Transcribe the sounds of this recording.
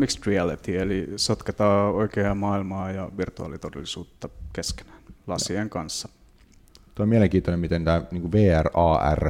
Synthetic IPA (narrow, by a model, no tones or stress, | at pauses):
miksriælit̪ielisot̪ket̪ɑːoikeɑmɑːilmɑːjɑʋirt̪uɑ̰ːlit̪odḛlːisuːt̪ːɑkeske̥næ̥ːnlɑsieŋkɑnsːɑ | t̪oˑimiæleŋkiːt̪onemit̪ent̪æːniːŋkuʋʋeːærɑːæ̰r